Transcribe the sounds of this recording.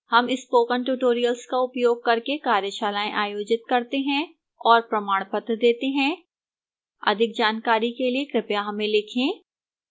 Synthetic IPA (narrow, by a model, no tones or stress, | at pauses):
hɐmɪspoːkənʈuːʈoːɾijəlskaʊpjoːɡ̚kɐɾkekaːɾjəʃaːlaːẽʔaːjoːd͡ʒɪt̪̚kɐɾt̪eɦɛ̃ | ɔːɾpɾɐmaːɽ̃pət̪d̪eːt̪eɦɛ̃ | ɐ̰d̪ʱɪk̚d͡ʒaːnkaːɾikeliekɾɪpjaɦɐmẽlɪkʰẽː